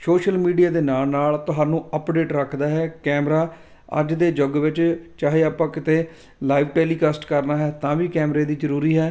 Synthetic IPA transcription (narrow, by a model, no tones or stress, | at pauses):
soːʃəlmiːɖijaːd̪eːnaːlnaːlt̪ʊɦaːnũːəpɖeːʈɾəkʰd̪aːɦɛːkɛːmɾaː | ə̰d͡ʒd̪eːd͡ʒoɡʋɪt͡ʃt͡ʃaːɦeːaːpãːkɪt̪eː | laːiʋʈeːliːkəsʈkəɾnaːɦɛːt̪ãːʋiːkɛːmɾeːd̪iːd͡ʒəɾuːɾiːɦɛː